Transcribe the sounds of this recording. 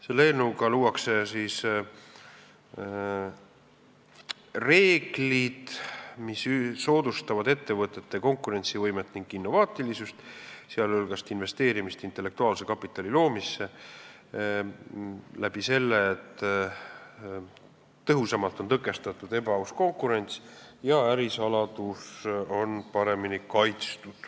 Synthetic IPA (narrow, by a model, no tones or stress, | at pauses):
selːenuɡɑluːwɑksesiːs | re̞ːɡ̥lid̪̥misːo̞ːd̪ust̪ɑvɑd̪e̞t̪ːe̞vɤt̪ːˑe̞t̪ːe̞ko̞ŋkuɾe̞nʲt̪sivɤjmet̪ːˑniŋɡ̥inːo̞vɑːt̪ːˑilisust̪seɑlɤlɡ̥ɑst̪inve̞st̪e̞ːɾimist̪int̪ːˑe̞lːe̞k̚t̪uɑːlse̞kɑpːˑit̪ːˑɑlilo̞ːmisːe̞ | læb̥ise̞lːeːt̪ː | t̪ːɤɦusɑmɑlt̪ˑo̞nt̪ɤkːˑe̞st̪ɑt̪ːˑud̪̥e̞bɑusko̞ŋkːˑuɾe̞nʲt̪sjɑæɾisɑlɑd̪uso̞npɑɾe̞minikɑjt̪st̪ud̪̥